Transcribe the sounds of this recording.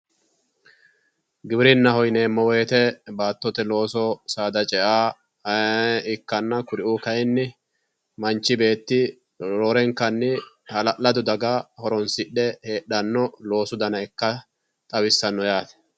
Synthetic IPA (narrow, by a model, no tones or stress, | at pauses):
ɡɪbɪɾɪnːɐhɔjneːmɔweːt̪ɛbaːt̪ːɔt̪ɛlo̞ːsɔsaːd̪ɐt͡ʃʼɛʔaː | ɪkːɐnːɐkʊɾɪʔuːkɐjnːɪ | mɐnt͡ʃːɪbe̞ːt̪ːɪ | ɾoːɾɛŋkːɐnːɪ | hɐlɐlɐd̪ʊd̪ɐɡahɔɾɔnsɪɗɛheːɗːɐnːɔlo̞ːsʊd̪ɐnɐɛkːɐ | t̪ʼɐwɪsːɐnːɔjaːt̪ɛ̥